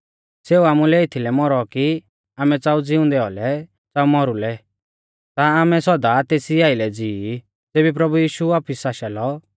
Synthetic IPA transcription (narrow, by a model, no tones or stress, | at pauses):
seːuamulɛet̪ʰilɛmɔɾɔki | aːmɛt͡saːud͡zɪũd̪ɛɔ̰lɛ | t͡saːumɔɾulɛ | t̪aːmɛsɔd̪at̪eːsiaːɪlɛd͡ziː | teːbipɾɐbujiːʃuaːpʰisaʃalɔ